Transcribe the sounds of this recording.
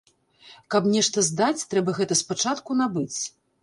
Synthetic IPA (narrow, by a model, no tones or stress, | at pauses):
kɐpnʲɛʂt̪ɐzd̪at͡sʲt̪ɾɛbɐɣɛt̪ɐspat͡ʂat̪kunabɨt͡sʲ